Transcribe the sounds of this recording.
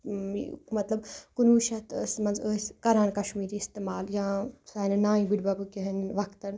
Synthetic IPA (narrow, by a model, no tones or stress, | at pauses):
mɐt̪lɐbkunuːʃɐt̪əːsmɐnzəːskɐɾaːnkɐʃmiːɾiːst̪emaːljãsaːnɐnãːĩbiɖbɐbɨkiɦɐnʋɐkt̪ɐn